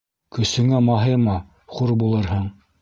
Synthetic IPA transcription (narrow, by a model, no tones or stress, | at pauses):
kɵ̆sɵ̆ŋæmɑɦɤɾmɑ | χuɾbulˠɤɾɦɤɴ